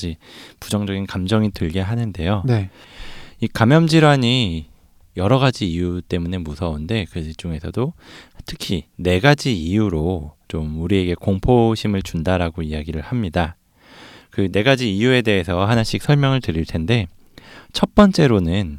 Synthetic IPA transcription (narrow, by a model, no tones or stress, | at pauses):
d͡ʑipud͡ʑʌŋd͡ʑʌɡinkamd͡ʑʌŋitɯɭɡe̞ɦanɯnde̞jone | ikamjʌmd͡ʑiɾwaɲi | jʌɾʌɣad͡ʑiːjut͈e̞mune̞musʰʌunde̞kɯd͡ʑuŋe̞sʰʌdotʰɯ̥kʰine̞ɡad͡ʑiijuɾot͡ɕomuɾie̞ɡe̞koŋpʰoɕʰimɯɭt͡ɕundaɾaɡoiaɡiɾɯɭhamɲida | kɯne̞ɡad͡ʑiːjue̞de̞ɦe̞sʰʌɦanaɕ͈ik̚sʰʌɭmjʌŋɯɭtɯɾiɭtʰe̞nde̞ | t͡ɕʰʌt̚p͈ʌnt͡ɕ͈e̞ɾonɯn